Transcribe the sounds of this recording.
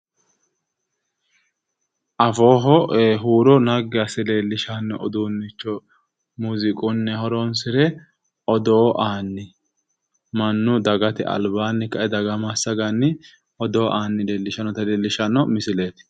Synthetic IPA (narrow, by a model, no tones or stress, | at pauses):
ʔɐfoːɦɔɦuːɾɔnɐɡɪɐsɪle̞ːlːɪʃɐnːɔʔɔd̪uːnːɪt͡ʃːɔ | muːzɪkʼʊnːɛhɔɾɔnsɪɾɛ | ɔd̪oːʔaːnːɪ | mɐnːʊd̪ɐɡɐt̪ɪʔɐ̰lbaːnːɪkɐʔɛd̪ɐɡɐmasɐɡɐnːɪ | ɔd̪oːʔaːnːɪle̞ːlːɪʃɐnːɔt̪ɐleːlːɪʃɐnːɔmɪsɪle̞ːt̪ɪ̥